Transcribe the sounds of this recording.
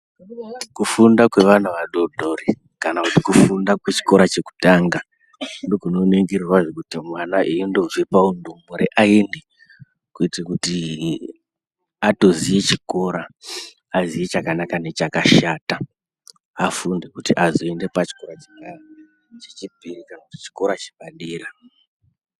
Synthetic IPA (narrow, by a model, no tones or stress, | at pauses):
kufundakwe̞ʋan̤uʋaɗodʱori | kanakutikufundakwet͡ʃi̥ko̞ɾat͡ʃe̞ku̥taŋɡa | ndokuno̞neŋɡirirwaʐokutimwanaʔiindo̞ʐipaundomoɾeʔaende | kuitrakuti | ato̞ziet͡ʃiko̞ɾaː | ziet͡ʃakanakane̞t͡ʃakaʃata | afundekutiʔazoende̞pat͡ʃi̥ko̞ɾat͡ʃeka | t͡ʃet͡ʃipirikanakuti̥t͡ʃi̥ko̞ɾat͡ʃe̥ɓaɗiːɾa